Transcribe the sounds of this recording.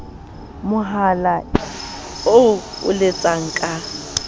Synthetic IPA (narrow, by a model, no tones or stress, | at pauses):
mʊɦala | oʊ̰lɪt͡sʼaŋ̩kʼa